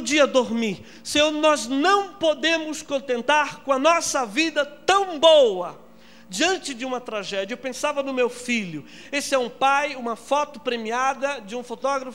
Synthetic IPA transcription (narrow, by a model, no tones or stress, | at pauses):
d͡ʒiɐd̪oɾmiɾ | sonɔznɐ̃w̃pod̪ẽmʊskõnt̪ẽnt̪aɾkõɐnɔsɐvid̪ɐt̪ɐ̃w̃bowɐ | d͡ʒiɐ̃nt͡ʃɪd͡ʒɪũmɐt̪ɾaʒɛd͡ʒiɐewpẽsavɐnʊmewfiʎʊ | esɪɛũpajũmɐfɔt̪ʊpɾemiad̪ɐd͡ʒɪũfot̪ɔɡɾɐf